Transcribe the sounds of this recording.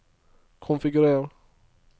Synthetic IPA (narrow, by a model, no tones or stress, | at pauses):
kʰɔnfɪɡɵɾeːɾ